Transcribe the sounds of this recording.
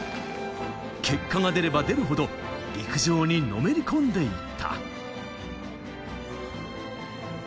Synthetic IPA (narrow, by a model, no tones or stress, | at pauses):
kʰe̞kːaŋad̪e̞ɾe̞bad̪e̞ɾɯ̟ɦo̞d̪o̞ | ɾʲikɯ̟ʑo̞ːɲ̟ino̞me̞ɾʲikõ̞nd̪e̞it̪ʰːa̰